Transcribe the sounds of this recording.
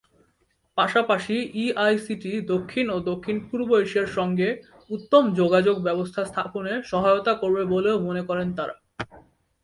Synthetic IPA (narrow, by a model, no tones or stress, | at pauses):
paʃapaʃiiajsiʈid̪okʰːinod̪okʰːinpuɾbojʃeɾʃɔŋɡe | ut̪ːomd͡ʑoɡad͡ʑoɡbɛbost̪ʰast̪ʰaponeʃɔɦaeot̪akoɾbeboleomonekɔɾent̪aɾa̰